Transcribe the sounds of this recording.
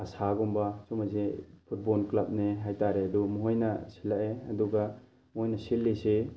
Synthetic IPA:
ɐsaɡumbasumazepʰut̚bolklap̚neɦajtaɾeɐdumuɦojnɐsilaʔeɐ̰duɡa | muhojnɐsilːese

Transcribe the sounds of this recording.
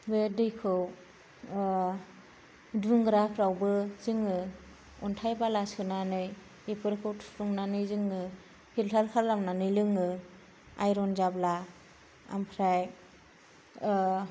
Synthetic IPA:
bedɯjkʰɯw | duŋɡɾapʰɾawbɯzɯŋɯ | ɔntʰajbalasɯnanɯj | epʰɯɾkʰɯwtʰɾuŋnanɯjzɯŋɯ | kʰiltʰalkʰalːamnanɯjlɯŋɯ | a̰jɾɔnzabla | a̰mpʰɾaj

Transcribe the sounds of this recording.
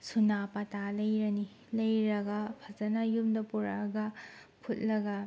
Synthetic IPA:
sunapɐtalɐjɾɐni | lɐjɾɐɡɐpʰɐzɐnɐjumdɐpuɾaɡɐpʰut̚lɐɡɐ

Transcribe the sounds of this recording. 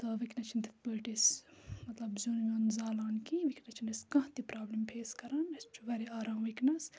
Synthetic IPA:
t̪ɐʋiknɐt͡ʃʰind̪ɐt̪pəːʈismɐt̪lɐbzʲuːnmʲõːnzaːlaːnkiʋikʰnɐt͡ʃʰind̪ɐskɐ̃ɦt̪ipɾaːblimpʰeːskɐɾaːnɐst͡ʃʰuʋɐɾiaːɾaːmʋiknɐs

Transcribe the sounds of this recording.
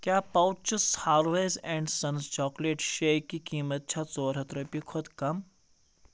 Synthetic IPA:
kʲjaːpɐw̚t͡ʃushaːɾʋezẽɳɖsɐnst͡ʃɔːkleʈʃejkːikiːmət̪̚t͡ʃʰat͡soːɾɦɐt̪ɾɐpikʰod̪kɐm

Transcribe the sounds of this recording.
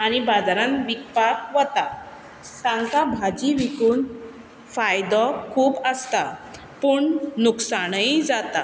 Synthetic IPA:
aɽ̃ibad͡zaɾãnʋikpakʋɔt̪a | sãŋkabʱad͡ʑiʋikuːn | fajd̪ɔkʰuːbəst̪a | puɳnuksaɽ̃əjd͡zat̪a

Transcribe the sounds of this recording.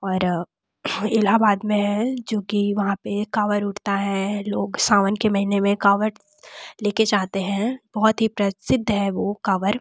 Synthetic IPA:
ɔːɾ | ɪlabaːd̪mẽɦɛ̃d͡ʒoːkiʋɐɦãpekaːʋəɾʊʈʰt̪aɦɛloːɡsaːʋənkemɐɦinemẽkaːʋəɾ | leːked͡ʒaːɦt̪eɦɛ̃b̥ɔɦʊt̪ɦipɾɐsɪd̪ʱːɦɛʋokɐʋəɾ

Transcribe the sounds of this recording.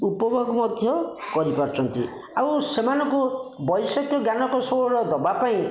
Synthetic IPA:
upɔbʱɔɡɔmɔd̪ʱjɔkɔɾipɔɾt͡ʃʰɔnt̪ḭ | awsemanɔŋkubɔjsɔkjɔɡjanɔkɔsoɔɾɔd̪ɔbapaĩ

